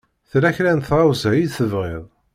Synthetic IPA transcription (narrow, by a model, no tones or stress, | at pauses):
θɾæçɾænθɑwzæjiðθəvʁḛðˤ